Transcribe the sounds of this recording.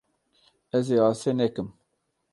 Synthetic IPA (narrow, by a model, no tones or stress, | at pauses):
ɛzeːɑːsenɛkɨm